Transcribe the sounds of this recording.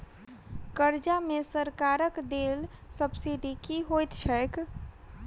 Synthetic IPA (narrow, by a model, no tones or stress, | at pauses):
kəɾd͡ʒamesəɾkaɾəkd̪elsəbsiɖikiɦojt̪t͡ʃʰəɪk